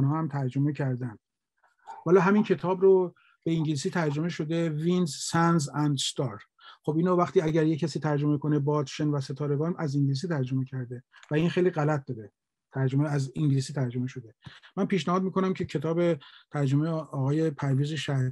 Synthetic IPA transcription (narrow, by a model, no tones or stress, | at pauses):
nhɒːhæmt̪ʰæɾd͡ʒo̞mecʰæɾd̪ænd̪̥ | vælɒːɦæmincʰe̞t̪ʰɒːbɾo | be̞iŋɟilisiːt̪ʰæɾd͡ʒo̞meʃo̞d̪evinzsænzænd̪st̪ɒɾ | xobiːnovæxt̪iːæɟæɾjecʰæsiːt̪ʰæɾd͡ʒo̞mekʰo̞ne̞bɒt̪ʃenvæse̞t̪ʰɒːɾeɡɒːnæziŋɟlis̬iːt̪ʰæɾd͡ʒo̞me̞cʰæɾd̪evæinxejliːɣælæt̪̚d̪ɒːɾe | t̪ʰæɾd͡ʒomeæziŋɟlisiːt̪ʰæɾd͡ʒo̞meʃo̞d̪e̞mænpiːʃnæhɒːd̪miko̞næmcʰe̞cʰet̪ʰɒːbet̪ʰæɾd͡ʒomejɒːɣɒːje̞pʰæɾviːzeʃæ